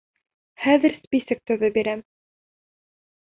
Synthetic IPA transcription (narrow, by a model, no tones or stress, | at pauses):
χæðɘ̆ɾspisɘk̚t̪ɵ̆ðɵbiɾæm